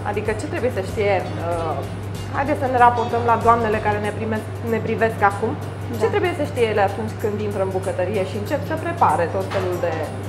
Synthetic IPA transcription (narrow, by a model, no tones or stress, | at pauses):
a̰d̪ikət͡ʃet̪ɾebuje̞səʃt̪ije̞ | ə | ha̰jd̪et̪səne̞ɾapo̞rt̪əmlad̪oamne̞le̞kaɾe̞nepɾime | ne̞pɾive̞skakum | t͡ʃe̞t̪ɾe̞buje̞səʃt̪ijeleat̪unt͡ʃʲkɨnd̪int̪ɾəɨmbukət̪əɾije̞ʃiɨnt͡ʃe̞psəpɾe̞paɾe̞t̪o̞t̪fe̞luld̪e̞